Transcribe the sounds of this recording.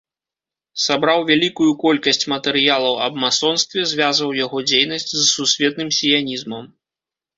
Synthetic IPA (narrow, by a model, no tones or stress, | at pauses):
sabɾawvʲalʲikujukɔlʲkɐsʲt͡sʲmɐt̪ɛɾɨjalˠɐwɐbmasɔnst̪vʲɛzʲvʲazvɐwjaɣɔd͡zʲejnɐsʲt͡sʲzsusʲvʲɛt̪̚nɨmsʲijanʲizmɐm